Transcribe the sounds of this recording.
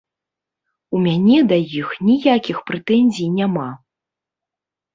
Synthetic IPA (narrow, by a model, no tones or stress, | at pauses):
umʲanʲɛd̪ajixnʲijakʲixpɾɛt̪ɛnʲzʲijnʲama